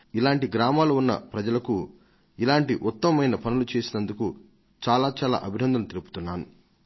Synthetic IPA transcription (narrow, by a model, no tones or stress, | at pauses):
ilaːɳʈiɡɾaːmaːluunːɐ̰pɾɐd͡ʒɐlɐku | ilaːɳʈiʔut̪ːɐmɐmɐjnɐpɐnulut͡ʃe̞ːsinɐnd̪uku | t͡ʃaːlaːt͡ʃaːla̰ːʔɐbʱinɐnd̪ɐmut̪eɾupu̥t̪unːaːnu